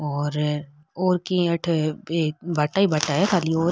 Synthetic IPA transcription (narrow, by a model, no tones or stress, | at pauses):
ɔːɾ | oːɾkiɐʈʰeːbʱɐʈaːibʱɐʈaɦɛkʰaːlioːɾ